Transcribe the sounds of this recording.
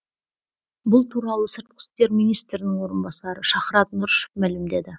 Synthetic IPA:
bʊlˠt̪ʰuɾɑlˠəsəɾt̪̚qʰɪ̥st̪e̞ɾmijnijst̪ɾɪnɪŋwo̞ɾənbɑsɑɾəʃɑχɾɑt̪nʊɾʃə̥pmælɪmd̪e̞d̪ɪ

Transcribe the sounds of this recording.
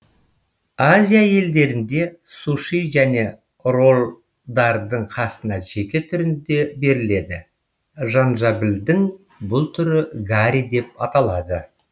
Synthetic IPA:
azʲijaje̞ld̪e̞ɾɪnd̪e̞ | suʃijʒæne̞ | ro̞lˠ | d̪ɑɾd̪əɴqʰɑsənɑʒe̞kʲet̪ʰʏɾɪnd̪e̞be̞ɾɪle̞d̪ɪ | ʒɑnʒɑbɪld̪ɪŋ | bʊlˠt̪ʰʏɾɪɡaɾʲid̪e̞p̚ɑt̪ɑlˠɑd̪ə

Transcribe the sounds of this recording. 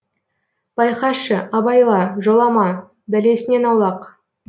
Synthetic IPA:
b̥ɑjqɑʃəɑbɑjlˠɑʒolˠɑmɑ | bæle̞sɪne̞nɑwlˠɑq

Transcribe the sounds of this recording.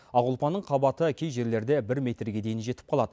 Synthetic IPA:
ɑʁʊlˠpɑnːəɴqʰɑbɑt̪əkʲʰe̞jʒe̞ɾle̞ɾd̪ebɪɾmʲe̞t̪ɾɡʲe̞d̪e̞jɪnʒe̞t̪ɪ̥p̚qʰɑlˠɑd̪ə

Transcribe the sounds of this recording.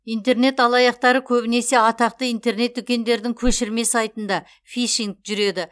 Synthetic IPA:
ijnt̪e̞ɾne̞t̪ɑlˠɑjɑq̚t̪ɑɾəkʲʰɵbɪne̞se̞ɑt̪ɑq̚t̪əijnt̪e̞rne̞t̪ːʏkʲe̞nd̪e̞ɾd̪ɪŋkʲʰɵʃɪɾme̞sɑjt̪ənd̪ɑ | fʲiʃiŋkʒ̥ʏɾe̞d̪ɪ

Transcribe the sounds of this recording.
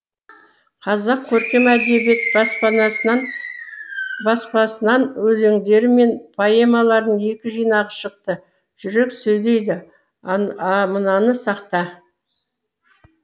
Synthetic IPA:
qʰɑzɑq̚kʲʰːɵɾkʲemæd̪e̞bet̪bɑspɑnɑ | bɑspɑsənɑnwɵleŋd̪e̞ɾɪme̞npʰajemɑlˠɑɾd̪əne̞kʲɪʒijnɑʁəʃəq̚t̪ə | ʒ̥ʏɾe̞ksɵjle̞jd̪ɪ | mənɑnəsɑqt̪ɑ

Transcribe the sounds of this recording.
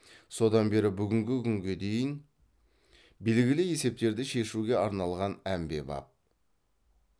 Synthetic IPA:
so̞d̪ɑnbe̞ɾɪbʏɡʲɪŋɡʲɪkʲʰʏŋɡʲe̞d̪e̞jɪn | be̞lɡʲɪlɪje̞se̞p̚t̪e̞ɾd̪ɪʃe̞ʃuɡʲe̞ɑɾnɑlˠʁɑnæmbe̞̰bɑ̰p̚

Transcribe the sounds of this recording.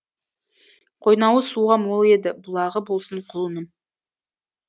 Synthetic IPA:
qʰo̞jnɑwəsuʁɑmwo̞lˠe̞d̪ɪbʊlˠɑʁəbo̞lˠsəɴqʰʊlˠmən

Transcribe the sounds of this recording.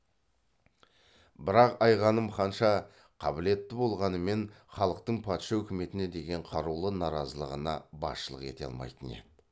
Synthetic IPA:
bɪɾɑqɑjʁɑnəmχɑnʃɑ | qʰɑbɪle̞t̪ːɪbo̞lˠʁɑnəme̞n | χɑlˠəq̚t̪əɴpʰɑt̪ʃɑɵkʲɪme̞t̪ɪne̞d̪e̞ɡʲe̞ɴqʰɑɾulˠənɑɾɑzəlˠəʁənɑbɑ̰sʃəlˠəqe̞t̪e̞ɑ̰lˠmɑ̰jt̪əne̞̰d̪ɪ

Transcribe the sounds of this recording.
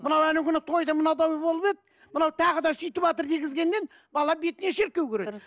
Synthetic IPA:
mənɑwænɪɡʲɪnɪt̪ʰo̞jd̪ɑmənɑwd̪ɑwbolˠəpe̞t̪ | mənɑwt̪ʰɑʁəd̪ɑsʏjt̪ɪpɑt̪əɾd̪eɡʲɪzɡʲe̞nd̪e̞n | bɑlˠɑbe̞t̪ɪneʃɪɾkʲːe̞wkʲeɾe

